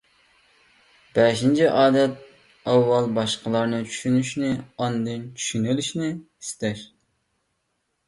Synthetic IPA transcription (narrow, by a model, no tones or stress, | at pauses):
b̥ɛʃint͡ʃʰiʔɑːd̪ɛt̪̚ | ɑwːɑlˠbɑʃqəlˠɑɾnɨt͡ʃʰy̥ʃynyʃnɪɑnd̪ɨnt͡ʃʰy̥ʃynɪlyʃnɪ | st̪ɛɾ